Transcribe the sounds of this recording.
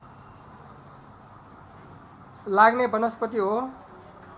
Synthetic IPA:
laɡnebʌnʌspʌt̪iɦo

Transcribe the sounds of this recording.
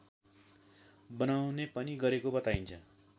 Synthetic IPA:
bʌnawnepʌniɡʌɾekobʌt̪aint͡sʰʌ

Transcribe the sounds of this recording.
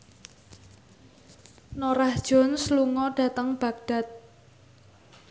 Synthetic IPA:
noɾahd̥ʒ̥ɔ̤nsluŋɔɖ̥ä̤t̪əŋb̥a̤k̚ɖ̥a̤t̪̚

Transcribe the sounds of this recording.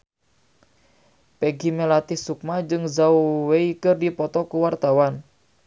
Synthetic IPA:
peɡimelat̪ɪhsuk̚mad͡ʒɨŋzawweikərdipɔt̪ɔkuwart̪awan

